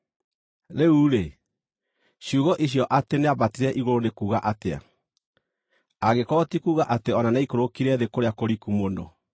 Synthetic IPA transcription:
ɾeuɾe | ɕuɣɔʔiɕ̬jɔʔateneaβatiɾɛʔiɣoɾonekuːɣaʔatea̰ | aɣekɔtikuːɣaʔateɔnanaikoɾokiɾɛðekoɾeakoɾikumonɔ̰

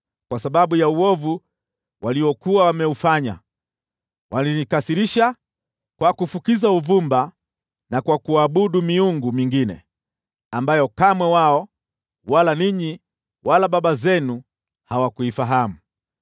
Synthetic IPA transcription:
kwasaɓaɓujauwɔvu | waliwɔkuwawamɛufaɲa̰ | walinikasiɾiʃa | kwakufukizauvumba | nakwakuaːɓuɗumiuŋɡumiŋɡinɛ̰ | ambajɔkamwɛwaɔ | walaniɲi | walaɓaɓazɛnu | hawakuifaɦamu

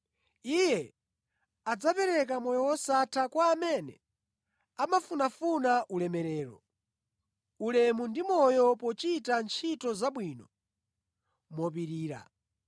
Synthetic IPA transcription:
ijɛ | ad͡zapɛɾɛk̬amɔjɔwɔsatʰakwaːmɛnɛ̰ | amafunafunaʔulɛmɛɾɛːɾɔ̰ | ulɛmundimɔjɔpɔt͡ʃitant͡ʃʰitɔzaɓwiːnɔ | mɔp̬iɾiːɾa̰

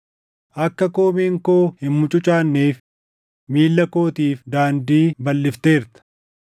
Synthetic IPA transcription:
ʔɐkːɐko̞ːmeːŋkoːhɪmːʊt͡ʃʼʊt͡ʃʼaːnːeːf | miːlːɐko̞ːt̪iːfd̪aːnd̪iːbɐlːɪft̪eːɾt̪ɐ̥

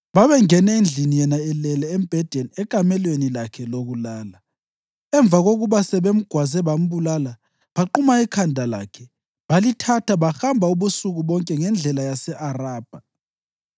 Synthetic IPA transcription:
βaβɛŋɛnɛind͡ɮʱinijɛnaɛlɛlɛɛmb̥ʱɛd̥ʱɛnɛkʼamɛlwenilakʰɛloɣulaːla | ɛɱb̪vʱaɣoɣuβasɛβem̩ɡ̥ʱwazɛβam̩βulala | βaǃumaikʰandʱala̰kʰɛ | βalitʰatʰaβaxambʱauβusuɣuβɔŋkʼɛŋɛnd͡ɮʱɛlajasɛʔaraːb̥ʱa

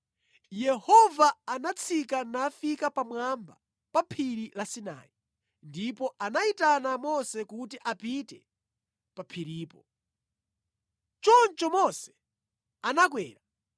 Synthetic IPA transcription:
jɛhɔvaːnat͡sʰikanafikapamwamba | papʰiɾilasina̰ːi | ndipɔʔanaitanamɔsɛkut̬iʔapitɛ | papʰiɾiːpɔ | t͡ʃɔnt͡ʃɔmɔsɛ̥ | anak̬wɛːɾa

